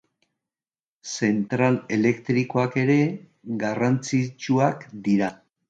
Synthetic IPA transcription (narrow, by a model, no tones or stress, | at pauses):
se̞nt̪ɾale̞le̞kt̪ɾiko̞ake̞ɾe̞ | ɡarant͡sit͡ʃuakd̪iɾa